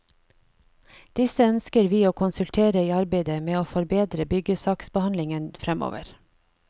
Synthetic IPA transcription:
d̪̥ɪsəœnskəɾʋiːoːkʰʊnsʉlt̪ʰeːɾəiːɑɾbeɪd̪əmeːoːfɔɾbeːd̪ɾəbʏɡəsɑːksbəhɑnlɪŋənfɾɛmo̰ːʋə̰ɾ

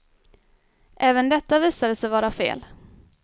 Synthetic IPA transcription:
ʔɛːvənd̪ɛt̪ːaviːsad̪əsɛjvɑːɾafḛːl

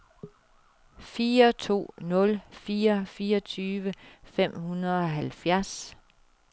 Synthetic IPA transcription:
fiːɐt͡sʰo̝̰ːnɔ̽lfiːɐfiːɐɒ̽t͡sʰyːʋəfem̰hunɐðˠɒ̽ɦælfjæɐs

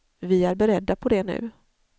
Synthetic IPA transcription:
vɪæɾbɛɾɛd̪ːapʰɔd̪ɛnʉ̟̰ː

